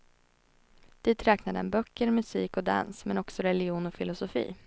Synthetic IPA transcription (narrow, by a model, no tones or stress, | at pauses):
d̪̥iːt̪ɾɛːknad̪əɛ̰nbœkːəɾmɵsiːkɔd̪a̰nsmɛnɔksɔɾɛlɪɪuːnɔfɪlʊsʊfḭː